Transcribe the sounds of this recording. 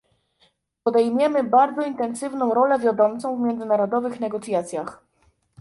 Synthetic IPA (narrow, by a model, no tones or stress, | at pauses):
pɔd̪ɛjmʲjɛmɘbaɾd̪zɔint̪ɛnsɘvnɔ̃w̃ɾɔlɛvʲjad̪ɔmt̪sɔ̃w̃vmʲjɛnzɘnaɾɔd̪ɔvɘxnɛɡɔt̪sʲjat̪sʲjax